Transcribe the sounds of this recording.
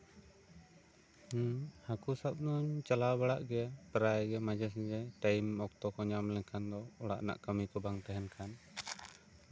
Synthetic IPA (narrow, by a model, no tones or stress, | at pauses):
hakusap̚nuɲt͡ʃalabaɽaʔɡɛpəɾajɡɛmad͡ʒɛsd͡ʒɛʈajmɔk̚t̪ɔkɔɲamlɛŋkʰand̪ɔɔɽa̰ʔna̰ʔkamikɔbaŋt̪ɛɦɛnkʰan